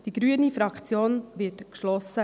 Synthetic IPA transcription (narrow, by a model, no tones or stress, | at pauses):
d̥iɡɾyənifɾɑkt͡sjoːnʋɪtkʃlɔsːə